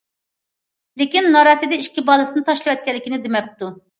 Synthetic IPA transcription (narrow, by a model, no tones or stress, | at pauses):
lɪkʲinːɑɾɑsɨd̪ɛiʃkʲibɑlˠɨsɨnɨt̪ʰɑʃlˠɨwɛt̪̚kʲɛlːɪkʲinɪd̪ɪmɛp̚t̪u